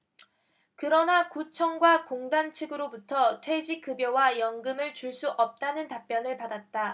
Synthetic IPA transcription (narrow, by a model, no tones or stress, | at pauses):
kɯɾʌnakut͡ɕʰʌŋɡwakoŋdant͡ɕʰɯɡɯɾobutʰʌtʰwe̞d͡ʑik͈ɯbjowajʌŋɡɯmɯɭt͡ɕuɭs͈uʔʌp̚t͈anɯntap͈jʌnɯɭpadat̚t͈a